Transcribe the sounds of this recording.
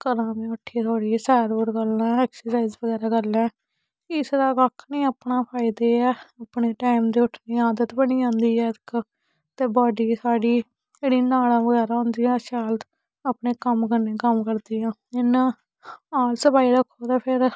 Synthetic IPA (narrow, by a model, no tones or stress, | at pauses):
kəɾãːmẽːəʈʰːiːt̪ʰaːɽiːsɛːɾoːɾɡəlãːɛːksəsaːɪzʋəɡɛːɾaːkəlɛ̃ː | kɪsɾaːkəkʰnĩːəːpɳãːpʰaːɪd̪eːɛːapɳeːʈaːɪmd̪iːʊʈʰniːaːd̪ət̪bəñiːãːnd̪iːɛːt̪k | t̪eːbaːɖiːsaːɖiː | d͡ʒeːɽiːnaːɽãːʋəɡɛːɾaːɦʊ̃nd̪iːãːʃaːlt̪ | apneːkəmkəɾnẽːkəmkəɾd̪iːãːɪnaː | aːlsəpaːiːɾəkʰːoːt̪aːpʰɪɾ